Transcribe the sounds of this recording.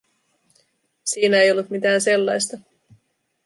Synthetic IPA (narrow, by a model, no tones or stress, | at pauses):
siːnæejo̞lːut̪mit̪æːnse̞lːɑjst̪ɑ